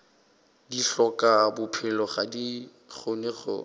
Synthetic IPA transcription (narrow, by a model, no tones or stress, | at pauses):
diɬɔkabʊpʰɪlɔχadi | ɣʊnɪχʊ̰